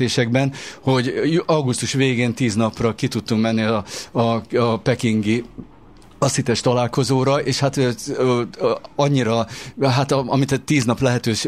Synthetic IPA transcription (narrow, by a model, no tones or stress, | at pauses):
eːʃɛɡbɛnho̞ɟɒɡust̪uʃʋeːɡeːnt̪iːznɒprɒkit̪ut̪ːuŋkmɛnːiɒɒpɛkiŋɡi | ɒsit̪ɛʃt̪ɒlaːlko̞zoːɾɒʔeːʃhat̪ | ɒɲːiɾɒɦat̪ɒ̰mit̪ɛt̪ːiːznɒplɛɦɛt̪øːʃ